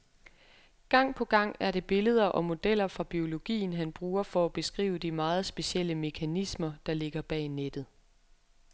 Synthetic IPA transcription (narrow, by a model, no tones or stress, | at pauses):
ɡ̥ɑ̈ŋ̰pʰɒ̽ɡ̥ɑ̈ŋ̰æɐɾe̝b̥e̝ləð̞ˠɐʔɒ̽mo̝d̥el̰ɐfʁɑ̈b̥io̝lo̝ɡ̥ḭːn̩ɦænb̥ʁuːɐfɒæb̥e̝sɡ̥ʁḭːʊəd̥imɑ̈ːð̞̩ˠsb̥e̝ɕel̰əme̝kʰænismɐd̥ɑ̈le̝ɡ̥ɐb̥ɛ̰ːned̥ð̩ˠ